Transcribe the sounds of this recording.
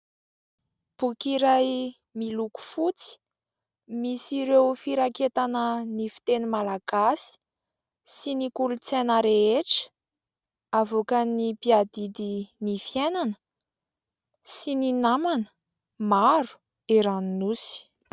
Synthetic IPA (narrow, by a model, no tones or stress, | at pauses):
b̥ukiɾaj | miluku̥fut͡si̥ | misiɾewfiɾaket̪anənifi̥t̪enimalaɡ̥asi̥ | sinikulut͡senəɾeeʈ͡ʂə̥ | avokənipiad̪id̪inifienanə | sininamanə̥ | maɾu̥ | eɾaninusi̥